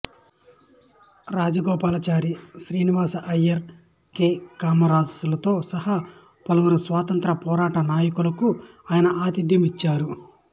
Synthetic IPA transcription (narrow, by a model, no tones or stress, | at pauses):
ɾaːd͡ʒɐɡɔːpaːlɐt͡ʃaːɾiʃɾiːniʋaːsɐʔɐjɐɾ | keːkaːmɐɾaːsulɐt̪o̞ːsɐhɐ | pɐlɐwuɾusʋaːt̪ɐnt̪ɾɐpɔːɾaːʈɐnaːjɐkulɐku | aːjɐnɐʔaːt̪id̪jɐmit͡ʃːaːɾu